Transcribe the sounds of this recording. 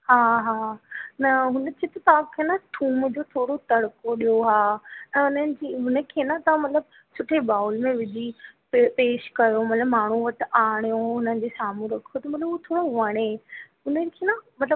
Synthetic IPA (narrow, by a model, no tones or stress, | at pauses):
ɦaːɦaːnɐɦʊnə̆t͡ɕʰet̪ɐt̪ɐʋ̤ãkʰenaʈʰuːmd͡ʑoːt̪ʰoːɽot̪ɐɽkoɗijoɦaːɛ̃ːʊnənɪ̆d͡ʑiːɦʊnəkʰenat̪ɐʋãmɐt̪ləb | sʊʈʰebaːʊlmẽʋɪd͡ʑʱipepeːʃkɐjomɐt̪ləbmaːɳ̤uʋɐʈʰɪ̆aːɽ̃ijõʊnənɪ̆d͡ʑeːsaːmũɾɐkʰijot̪ɐmɐt̪ləbʊet̪ʰoːɽoɦəɽ̃eɦʊnənkʰeːnamɐt̪ləb